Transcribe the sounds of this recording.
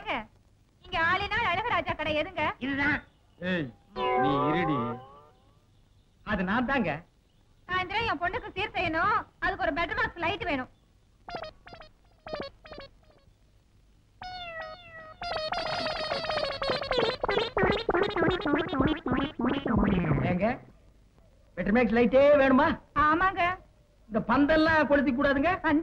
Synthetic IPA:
ɡɐ | ɪŋɡɐaːɭɪnaːɭɐɻɯɣɐɾaːd͡ʒaːkːɐɽɐɛðɯŋɡɐɪðɯt̪ãː | eːjniːɪɾiɽi | ɐðɯnãːnt̪ãːŋɡɐ | saːnd̪ɪɾɐ̃ẽːpɔɳɖɯkːɯsiːɾsɛjːɐnʊ̃ɐðɯkːɔɾɯbɛʈɾɐmaːkslɐɪʈːɯʋeːɳʊ̃ | eːŋɡɐ | b̥ɛʈːɾmaːks̬lɐɪʈːeːʋeːɳɯmaːaːmaːŋɡɐ | ɪnd̪ɐpɐnd̪ɛlːãːkɔɽɯt̪̬ːik̬ːuːɽaːðɯŋɡɐɐn

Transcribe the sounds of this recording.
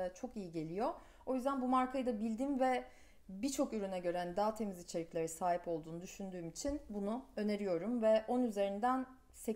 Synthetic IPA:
at͡ʃʰo̞kijiɟe̞lʲijo̞ | o̞jyzd̪ænbumaɾkʰajɯd̪abilʲd̪iːmvɛ | bit͡ʃʰo̞kyɾynɛɟø̞ɾænd̪aːt̪ʰe̞mizit͡ʃʰe̞ɾiclʲe̞ɾisaːɦipo̞lˠd̪uːnud̪yʃynd̪yːmit͡ʃʰinbunuø̞ne̞ɾijo̞ɾumvɛʔonnyze̞ɾind̪æn | sɛ

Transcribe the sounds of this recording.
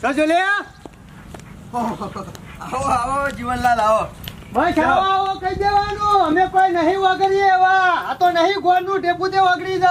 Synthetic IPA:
tod͡ʒole | aoaod͡ʒiʋənlalao | bat͡ʃaaʋokəid͡ʒeʋanũəmepənəɦĩʋaɡəɾieʋaat̪onəɦĩɡʱoɾnũɖeput̪eʋaɡɽidə

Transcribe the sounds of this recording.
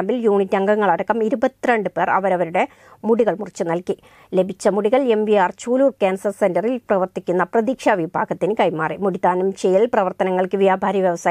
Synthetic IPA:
mbiljuːɳitːɐŋɡɐŋːɐɭɐɽɐkːɐmiɾubɐt̪ːiɾeɳɖɨpe̞ːrɐʋɐɾɐʋɐɾuɽe̞ | muɽiɣɐɭmurit͡ɕːɨnɐlki | le̞bʱit͡ɕːɐmuɽiɣɐɭe̞mbiaːrt͡ɕuːluːrkaːnsɐrsendɐrilprɐʋɐrt̪ikʲːunːɐprɐðiːkʂɐʋibʱaːɡɐt̪ːinɨkɐjmaːrimuɽit̪ːaːnumt͡ɕejilprɐʋɐrt̪ɐnɐŋːɐɭkɨʋijaːbʱaːɾɐʋjɐʋɐsaːj

